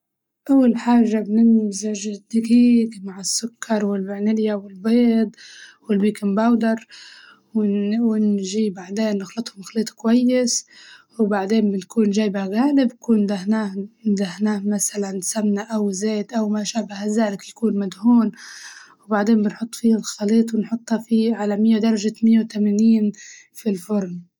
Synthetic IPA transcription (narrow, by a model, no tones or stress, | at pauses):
ʔawːalħaːʒːabnɪnzaʒɪd̪aɡiːɡmaʕɪsːʊkʰːɑɾˤwɪlmɪʕnɪljawɪlbeːd̪ˤwɪlbiːkɪmbawd̪ɑɾˤ | wɪwɪnʒiːbaʕd̪eːnːɪxlɑt̪ˤhʊmxaliːt̪ˤkwajːɪs | wbaʕd̪eːnbɪnkuːnʒaːjbaɣaːlɪbjakuːnd̪ahnaːd̪ahnaːhmasalansamnaʔawzeːt̪ʔawmaʃaːbahazaːlɪkjakuːnmad̪huːnwbaʕd̪eːmbɪnħʊt̪ˤːfiːhalxɑliːt̪ˤwɪnħʊt̪ˤːhafiʕalamɪjːad̪ɑɾˤɑʒamɪjːat̪amaniːn | filfʊɾˤn